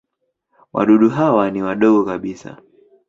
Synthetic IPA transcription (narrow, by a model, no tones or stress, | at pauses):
wʔa̰ɗuɗuɦawaniwaɗɔɠɔkaɓisa̰